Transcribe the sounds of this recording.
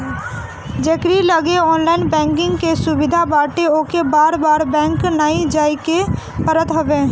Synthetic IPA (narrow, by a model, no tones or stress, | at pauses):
d͡ʒeːkɾiləɡeɔːnlaːɪnbɛ̃ːŋkɪ̃ŋɡkesʊbɪd̪ʱabaːʈeoːkebaːɾbaːɾbɛ̃ːŋknaːĩd͡ʒaːike | pəɾət̪ɦoʋẽː